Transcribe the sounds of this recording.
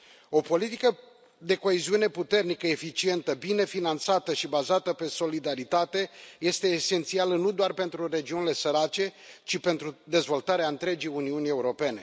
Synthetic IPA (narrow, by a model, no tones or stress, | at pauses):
o̞po̞lit̪ikə | d̪e̞ko̞eziune̞put̪e̞rnikəefit͡ʃie̞nt̪əbine̞finant̪sat̪əʃibazat̪əpe̞so̞lid̪aɾit̪at̪e̞je̞st̪e̞ːse̞nt̪sialənud̪oarpe̞nt̪ɾure̞d͡ʒiunile̞səɾat͡ʃe̞t͡ʃipe̞nt̪ɾud̪e̞zvo̞lt̪aɾeaɨnt̪ɾe̞d͡ʒiuniunie̞uɾo̞pe̞ne̞